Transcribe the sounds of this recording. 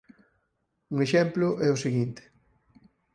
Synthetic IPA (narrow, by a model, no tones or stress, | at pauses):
uŋeʃɛmplʊʔɛʊseɣint̪e̥